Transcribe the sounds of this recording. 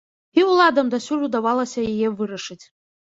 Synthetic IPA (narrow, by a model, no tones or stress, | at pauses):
iwlˠad̪amd̪asʲurud̪awalˠɐsʲajajɛvɨɾaʂɨt͡sʲʼ